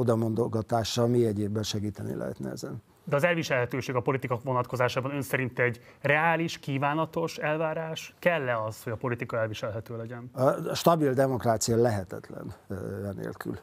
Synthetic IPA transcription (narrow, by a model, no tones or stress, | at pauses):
od̪ɒmo̞nd̪oɡɒt̪aːʃːɒlmiɛɟeːbːɛnʃɛɡiːt̪ɛnḭlɛ̰ɦɛ̰t̪nɛ̰ɛ̰zɛn | d̪ɛɒzɛlviʃɛlɦɛt̪øːʃeːɡɒpo̞lit̪ikɒʋo̞nɒt̪ko̞zaːʃaːbɒnø̞nsɛɾint̪ɛɟ | rɛaːliʃkiːvaːnɒt̪o̞ʃɛlvaːɾaːʃkɛlːɛɒshoɟɒpo̞lit̪ikɒɛlviʃɛlɦɛt̪øːlɛɟɛnʃt̪ɒbild̪ɛmo̞kraːt̪sijɒlɛɦɛt̪ɛt̪lɛ̰nɛnḛːlky̰l